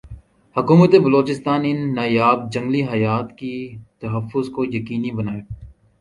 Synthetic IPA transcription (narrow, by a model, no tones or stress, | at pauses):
hɐkuːmət̪ebɐloːt͡ʃɪst̪aːnɪnːaːjaːb̚d͡ʒɐ̃ŋɡliɦɐjaːt̪kit̪ɐɦəfːʊzkojɐkiːnibɐnaːjeː